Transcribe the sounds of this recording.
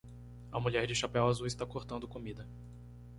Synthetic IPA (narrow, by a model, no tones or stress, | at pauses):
ɐmuʎɛɾd͡ʒɪʃapɛwazuɪst̪akoɾt̪ɐ̃nd̪ʊkomid̪ɐ